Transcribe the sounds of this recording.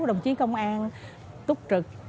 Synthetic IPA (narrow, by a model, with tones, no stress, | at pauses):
ɗə˨˩wŋ͡mt͡ɕi˨˦kə˧wŋ͡mʔaː˧n | t̪ʊ˦˥k͡p̚t͡ɕɨ˨˩k̚